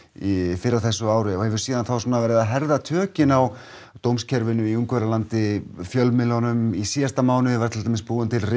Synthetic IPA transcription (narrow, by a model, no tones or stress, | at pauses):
ifɪɾawθɛsːʏaːwɾɪɔhɛvʏɾ̥siːðanθawsuːnavɛːɾɪðaɦɛɾðat̪ʰœːcɪnaw | t̪owmscʰɛɾvɪnʏiuŋkvɛɾalant̪ɪfjœlmɪlɔnʏmisiːjast̪amaːwnʏvaɾ̥t̪ʰɪlt̪aːmɪspuːʏnt̪ʰɪlrɪ